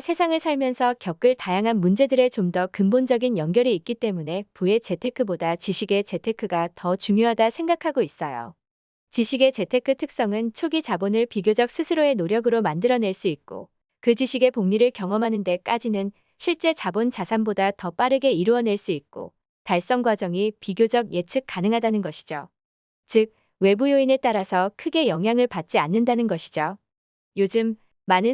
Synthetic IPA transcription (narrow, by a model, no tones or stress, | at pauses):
sʰe̞sʰaŋɯɭsʰaɭmjʌnsʰʌkjʌk͈̚ɯɭtajaŋɦanmund͡ʑe̞dɯɾe̞t͡ɕomdʌkɯmbond͡ʑʌɡinjʌŋɡjʌɾiːk̚k͈it͈e̞mune̞pue̞t͡ɕe̞tʰe̞kʰɯbodat͡ɕiɕʰiɡe̞t͡ɕe̞tʰe̞kʰɯɡatʌt͡ɕuŋjoɦadasʰe̞ŋɡakʰaɡois͈ʌjo̰ | t͡ɕiɕʰiɡe̞t͡ɕe̞tʰe̞kʰɯtʰɯk̚s͈ʌŋɯnt͡ɕʰoɡid͡ʑabonɯɭpiɡjod͡ʑʌk̚s͈ʰɯsʰɯɾoe̞noɾjʌɡɯɾomandɯɾʌne̞ɭs͈uit̚k͈o̰ | kɯd͡ʑiɕʰiɡe̞poŋɲiɾɯɭkjʌŋʌmɦanɯnde̞k͈ad͡ʑinɯn | ɕʰiɭt͡ɕ͈e̞t͡ɕabont͡ɕasʰanbodatʌp͈aɾɯɡe̞iɾuʌne̞ɭs͈uit̚k͈o̰ | taɭs͈ʌŋɡwad͡ʑʌŋipiɡjod͡ʑʌɡje̞t͡ɕʰɯk͈̚anɯŋɦadanɯnɡʌɕʰi̥d͡ʑo | t͡ɕɯk̚ | we̞bujoine̞t͈aɾasʰʌkʰɯɡe̞jʌŋɦjaŋɯɭpat̚t͡ɕ͈ianːɯndanɯnɡʌɕʰi̥d͡ʑo | jod͡ʑɯmː | anɯ